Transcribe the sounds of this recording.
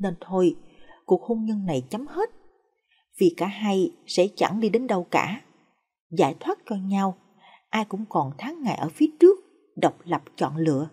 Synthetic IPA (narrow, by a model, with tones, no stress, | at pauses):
ne˧nt̪ʰo˧jku˨˩ək̚ho˧nɲə˧nna˨˩jt͡ɕə˨˦mhe˦˥t̚ | vi˨˩kaː˧˩ɦa˧jsɛ̰˧˥t͡ɕa˧˩ŋɗi˧ɗe˨˦nɗə˨˩wkaː˧˩ | zaː˧˩jt̪ʰwaː˦˥t̚t͡ɕɔ˧ɲa˧w | ʔaː˧jkʊ̰˧˥ŋ͡mkɔ˨˩nt̪ʰaː˨˦ŋːa̰ː˧˨jʔəː˧˩fi˨˦ət͡ɕɨ˦˥ək̚ | ɗə˨˩wk͡p̚lə˨˩p̚t͡ɕɔ̰˧˨nlɨ̰˧˨ə